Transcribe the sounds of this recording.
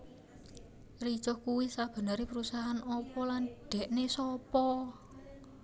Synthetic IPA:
ri̥t͡ʃɔhkuwisab̥ə̤nəɾepɾusaɦanɔpɔlanɖ̥ɛ̤ʔnesɔpɔ

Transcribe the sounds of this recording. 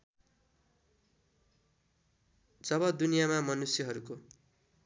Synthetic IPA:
d͡zʌbʌd̪unijamamʌnusjʌɦʌɾuko

